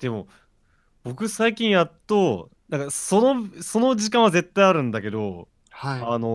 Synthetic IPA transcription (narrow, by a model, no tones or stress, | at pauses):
d̪̥e̞mo̞ | b̥o̞kɯ̟saikʲĩɰ̃jat̪ːo | nãŋkaso̞noso̞no̞ʑikãɰ̃βaze̞t̪ːaiaɾɯ̟̃nd̪ake̞d̪o̞ | haano̞